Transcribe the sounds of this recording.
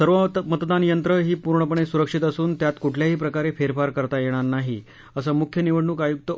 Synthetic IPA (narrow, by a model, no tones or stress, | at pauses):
səɾʋəmət̪d̪anjənt̪ɾəɦiːpuɾɳəpəɳ̃esuɾəkʂit̪əsuːnt̪jat̪kuʈʰljaɦiːpɾəkaɾefeɾfaɾkəɾt̪ajeɽ̃aɾnaɦi | əsəmukʰjəniʋəɽɳuːkajuk̚t̪ə